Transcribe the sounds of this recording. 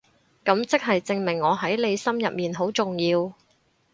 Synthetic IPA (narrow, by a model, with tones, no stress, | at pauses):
kɐ˨˥mt͡sɪ˥k̚ɦɐ˨jt͡sɪ˧ŋmɪ˨˩ŋːɔː˨˧ɦɐ˨˥jle˨˧jsɐ˥mjɐ̰˨p̚miː˨nɦo˨˥wt͡sʊ˨ŋjiː˧w